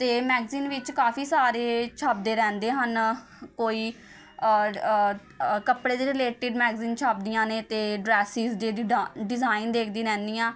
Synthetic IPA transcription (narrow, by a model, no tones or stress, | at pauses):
t̪eːmɛːɡziːnʋɪt͡ʃkaːfiːsaːɾeːt͡ʃʰəb̚d̪eːɾɛ̃ːnd̪eːɦən | koːiː | kəpɽeːd̪iːɾɪleːʈɪɖmɛːɡziːnt͡ʃʰəb̚d̪ijãːneːt̪eːɖɾɛːsiːzeɖɪzaːɪnd̪eːkʰd̪ĩːɾɛ̃ːnd̪ijãː